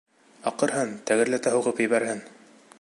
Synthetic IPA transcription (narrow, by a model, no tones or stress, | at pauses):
ɑqɤ̆ɾɦɤnt̪æɡɘ̆ɾlæt̪æɦuʁɤpjɘ̆βæɾhɘn